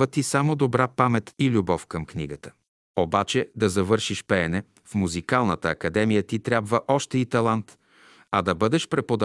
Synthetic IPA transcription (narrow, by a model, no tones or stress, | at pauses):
ət̪isamod̪obɾapamɛt̪ilʲubɔfkɐmkniɡət̪ə̥ | obat͡ʃɛd̪ɐzɐvɤɾʃiʃpɛːnɛ | fmuzikalˠnət̪əːkɐd̪ɛmijət̪it̪ɾʲjabvəʔɔʃt̪ɛit̪ɐlˠant̪ | ɐd̪ɐbɤd̪ɛʃpɾɛpod̪ɐ